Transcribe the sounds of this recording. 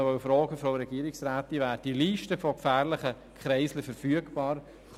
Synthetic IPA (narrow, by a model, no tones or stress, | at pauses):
vœʊfɾɔːɡəfɾoʊɾɛɡ̥iəɾɪksɾaːt̪iʋæːɾ̚d̥iliːʃtəfɔkfæːɾlɪχə | kχɾɛɪsləfəɾfyəɡb̥ɑːɾ | χ